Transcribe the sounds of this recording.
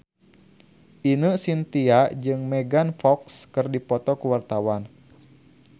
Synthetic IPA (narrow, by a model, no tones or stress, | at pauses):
ʔinəsint̪iad͡ʒɨŋmɛɡanfɔkskɨrdipɔt̪ɔkuwart̪awan